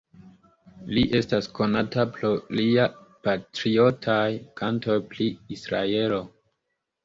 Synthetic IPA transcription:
liʔe̞stasko̞natapɾo̞liapatɾio̞tʰajkanto̞jpliisɾa̰e̞lo̞

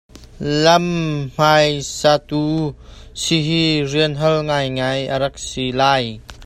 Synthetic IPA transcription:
lɐmm̥ajsat̪usiɦiriənɦəlŋajŋajʔəɾɐk̚silaːj

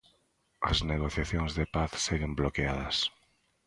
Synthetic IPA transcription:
ɐ̰zneɣ̞oθjaθjoŋzðepaθseɣemblokeað̞ɐs

